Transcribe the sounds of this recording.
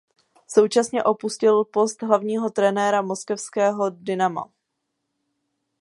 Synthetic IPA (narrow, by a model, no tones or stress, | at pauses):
so̞wt͡ʃasɲɛʔo̞puscɪlpo̞st̪ɦlavɲiːɦo̞t̪ɾɛnɛːɾamo̞skɛfskɛːɦo̞dɪnama̰